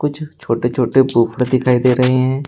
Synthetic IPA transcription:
kʊt͡ʃʰt͡ʃʰoːʈet͡ʃʰoːʈebuːkɽd̪ɪkʰaːid̪eːɾɐɦeɦɛ̃ː

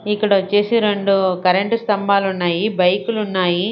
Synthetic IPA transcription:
ikːɐɽɐt͡ʃeːsiɾeɳɖukɐɾeɳʈust̪ɐmbaːlunːaːjibɐjkulunːaːji

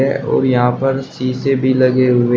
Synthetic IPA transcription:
ɛʔɔ̰ːɾjɐɦãpɐɾsiːsebʱilɐɡeɦʊe

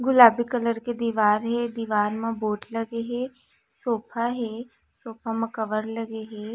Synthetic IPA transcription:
ɡʊlaːbikələɾked̪iːʋaːɾɦed̪iːʋaːɾmãboːʈlɐɡeɦe | soːpʰaɦe | soːpʰamɐ̃kəʋəɾləɡeɦeː

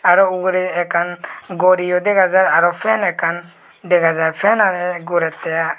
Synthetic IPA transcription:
aɾɔuɡɾɛɛkʰanɡɔɾijɔd̪ɛɡʱazaɾaɾɔpʰɛnɛkʰan | d̪ɛɡʱad͡ʒaɾpʰɛnanɛɡuɾɛt̪ːɛja

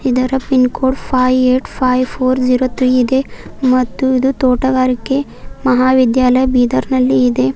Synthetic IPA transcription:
id̪ɐɾɐpinkoːɽpʰaːjeːʈpʰaːjpʰoːɾd͡ʒiːɾot̪ɾiːid̪e̞mɐt̪ːuid̪ut̪oːʈɐɡaːɾikːe | mɐɦaːʋid̪jaːlɐjɐbiːd̪ɐɾnɐlːiːd̪e̞

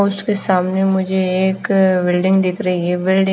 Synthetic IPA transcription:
ʊskesaːmnemʊd͡ʒʱeːkbɪlɖɪ̃ŋɡd̪ɪkʰɾɐɦiɛbɪlɖɪ̃

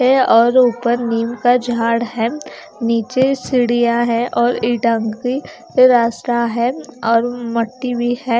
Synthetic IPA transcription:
ɛɔːɾuːpəɾniːmkad͡ʒʱaːɽɦɛː | niːt͡ʃesɪɽijaɦɛʔɔːɾɪʈə̃ŋɡki | ɾaːst̪aɦɛɔːɾmɐʈːibʱihɛː

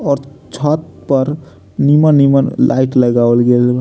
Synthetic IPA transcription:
ɔːɾt͡ʃʰɔt̪̚pəɾ | nimənːimənlʔa̰iʈləɡawlɡel

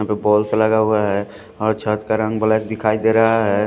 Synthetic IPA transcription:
ãpebɔːlseləɡaɦuaɦɛ | ɔːɾt͡ʃʰət̪kaɾə̃ŋɡbəlak̚d̪ɪkʰaːid̪eɾəɦaɦɛ

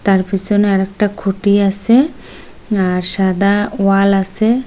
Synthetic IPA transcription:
t̪aɾpisɔnɛɾɛk̚ʈakʰuʈiase | aɾsad̪awalase

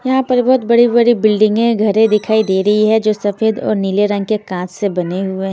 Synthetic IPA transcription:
jɐɦãpɐɾbɐɦʊt̪̚bɐɽibɐɽibɪlɖɪ̃ŋɡẽɡʱɐɾẽd̪ɪkʰaːid̪eːɾɐɦiɦɛd͡ʒoːsɐfeːd̪ɔ̰ːɾniːleɾɐ̃ŋɡ̚kekãːt͡ʃsebɐneɦʊeɦɛ̃

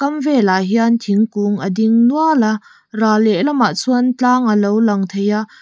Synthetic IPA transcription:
kɐmvɛlaɦiant̪ʰiŋkuŋʔədiŋnuəlɐ | raːlɛʔlɐmaʔt͡sʰuənt͡ɬaːŋəlowlɐŋt̪ʰejaʔ

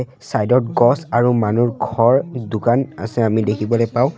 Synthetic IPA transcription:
sajdɔt̚ɡɔsaɹumanuɹɡʱɔɹdukana̰sɛamidekʰibɔlojpaw̃

